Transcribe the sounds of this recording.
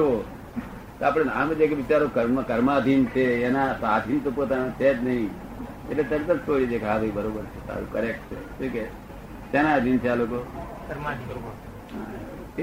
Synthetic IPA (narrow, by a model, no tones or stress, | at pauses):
ʋo | t̪oapɽ̃enãːməd͡ʒekeʋɪt͡ʃaɾokəɾməkəɾmaəd̪ʱint͡ʃʰeːnasad̪ʱint̪opot̪anõt͡ʃʰet̪nəɦĩ | ḛʈlet̪əɾt̪əlt̪ʰoɽid͡ʒekʰaːd̪ʱoibəɾobəɾt͡ʃʰesa̰ɾṵkəɾek̚ʈt͡ʃʰḛtuke | t̪enaəd̪ʱint͡ʃʰealoko | kəɾma | ɦa